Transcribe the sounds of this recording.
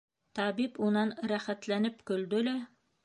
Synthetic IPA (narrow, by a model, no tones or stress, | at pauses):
t̪ɑbipunɑnɾæχæt̪lænɘpkɵ̆ld̪ɵ̆læ